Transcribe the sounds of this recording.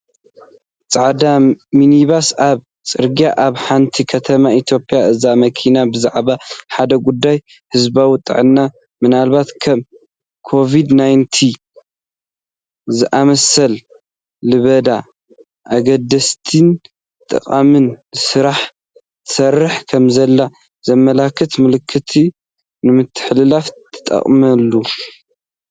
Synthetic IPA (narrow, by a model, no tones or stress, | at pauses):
t͡sʼaʕd̪aminiβasaβ | t͡sʼɨɾɡijaʔaβħant̪ʰikʰɐt̪ʰɐmait̪ʰjo̞pʼijaʔɨzamɐkʰinabɨzaʕβaħad̪ɐɡud̪ːaj | hɨzbawit̪ʼɨ̰ʕɨnːa | mɨnalbat̪kʰɐm | kʰo̞vid̪najnt̪ʰi | zɨʔamɐsɐl | lɨβɐd̪a | ʔaɡɐd̪ɐst̪ʰin | t̪ʼɨ̰qʼamɨnsɨɾaħ | t̪ʰɨ̥sɐrːɨħkʰɐmzɐlːa | z̥ɐmːɐlakʰːɨt̪mɨlɨkʰːɨt̪ʰi | nɨmɨt̪ʰːɨ̥ħlɨlaft̪ʰɐ̥t̪ʼːɐ̰χʼmɐlːu